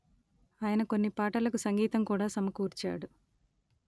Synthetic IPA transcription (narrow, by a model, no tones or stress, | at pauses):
aːjɐnɐko̞nːipaːʈɐlɐkusɐŋɡiːt̪ɐmkuːɽaːsɐmɐkuːɾt͡ʃa̰ːɽu